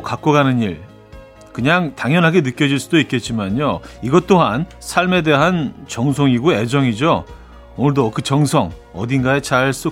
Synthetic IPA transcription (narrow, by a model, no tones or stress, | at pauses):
kak͈oɡanɯɲiɭ | kɯɲaŋtaŋjʌnɦaɡe̞nɯk͈jʌd͡ʑiɭs͈udoitk͈e̞t̚t͡ɕ͈imaɲoiɡʌt͈oɦan | sʰaɭme̞de̞ɦant͡ɕʌŋs̬ʰʌŋiɡue̞d͡ʑʌŋid͡ʑoː | nɯɭdokɯt͡ɕʌŋsʰʌŋ | ʌ̰dinɡae̞t͡ɕaɭs͈u